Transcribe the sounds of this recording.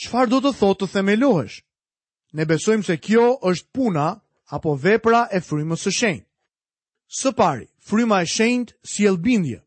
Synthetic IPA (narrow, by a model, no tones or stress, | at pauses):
t͡ʃfaɾd̪ɔt̪əθɔt̪ːəθɛmɛlɔɦɛ̰ʃ | nɛbɛsɔjmsɛkjɔʔəʃt̪̚punaː | pɔvɛpɾaʔɛfɾyməsəʃɛjnt̪̚ | səpaɾḭ | fɾymaɛʃɛɲnt̪sjɛlˠbind̪jɛ̰